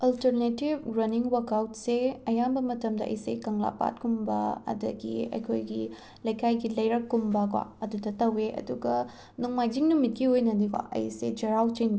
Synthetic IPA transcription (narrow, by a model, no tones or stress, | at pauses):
ɐltɐɾnetibɾɐniŋwɐkawt̚seɐjambɐmɐtɐmdɐʔɐ̰jsḛkɐŋla̰pa̰t̚kumbɐɐ̰dɐ̰ɡḭɐ̰jkʰojɡi | lɐjkʰajɡilɐjɾɐkːumbɐkwa̰ɐdudɐtɐweʔɐ̰duɡɐ | nuŋmajd͡ʒiŋnumit̚kiojnɐdika̰ʔɐ̰jsḛd͡ʒɐɾawt͡ʃijnb